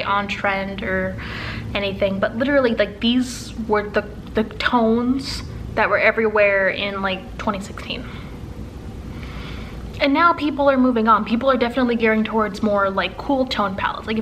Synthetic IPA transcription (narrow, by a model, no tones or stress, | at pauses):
ʔə̃ntʰɹ̥ɛ̃ndə˞ | ɛñiθɪ̃ŋbʌtˡlɪɾə˞l̩ˠilaɪk̚ðiz | wə˞ðɨ | ðɨtʰõʊ̃nz̥ | ðɨt̚wə˞ɛvɹiwɛɹɪ̃nlaɪk̚tʰw̥ɛ̃ɾ̃isɪkstʰḭ̃n | ɨ̃nːaʊpʰipl̩ˠə˞muvɪ̃ŋə̃npʰipl̩ˠə˞dɛfənətˡliɡɛɹɪ̃ŋtʰɔɹdzmɔɹlaɪkʰːulˠtʰõʊ̃npʰæ̰lˠə̰tslaɪ